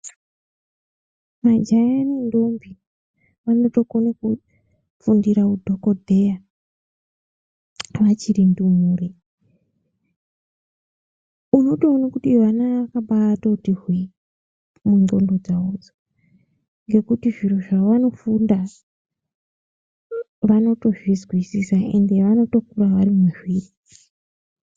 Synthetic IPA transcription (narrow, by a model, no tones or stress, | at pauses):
mad͡ʒajanindombi | ʋano̞to̞konaku | fundiɾaudʱo̞kodʱeja | ʋat͡ʃiɾindumuːri | unotounokutiʋanaʋakaɓatotirwi | mundo̞ndo̞d͡zaod͡zo | ŋɡe̞kutiʐiroʐaʋano̞funda | ʋano̞to̞ʐwizwisisae̞̰nde̞ʋano̞to̞k̚uraʋaɾimumiʐwiːri